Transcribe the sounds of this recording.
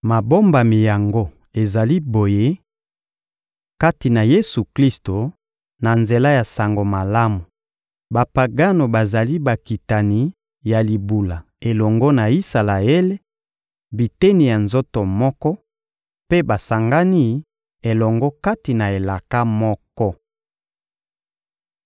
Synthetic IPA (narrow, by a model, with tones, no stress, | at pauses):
ma˨bo˦mba˨mi˨ja˨ŋɡo˦ | e˨za˨li˦bo˨je˦ | ka˦ti˨na˨je˦su˨kli˦sto˨ | na˨nze˨la˦ja˨sa˨ŋɡo˨ma˨la˦mu˨ | ba˨pa˨ɡa˦no˨ba˨za˨li˦ba˨ki˨ta˨ni˨ | ja˨li˨bu˨la˨ | e˨lɔ˨ŋɡɔ˦na˨i˦sa˨la˨e˦le˦ | bi˨te˦ni˨ja˨nzo˦to˨mɔ˦kɔ˦ | pe˦ba˨sa˨ŋɡa˦ni˦ | e˨lɔ˨ŋɡɔ˦ka˦ti˨na˨e˨la˨ka˦mɔ˦kɔ˦